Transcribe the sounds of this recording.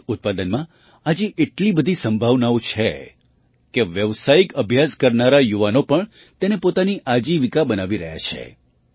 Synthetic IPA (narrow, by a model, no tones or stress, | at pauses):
ʊt̪̚pad̪ənmã | ad͡ʒeʔeʈlibəd̪ʱisəmbʱaʋnaʋut͡ʃʰe | keʋjəʋsaikəbʱjaskəɾnaɾajuʋanopəɳ | t̪enepot̪aniʔad͡ʒiʋikabənaʋiɾəɦja̰t͡ʃʰḛ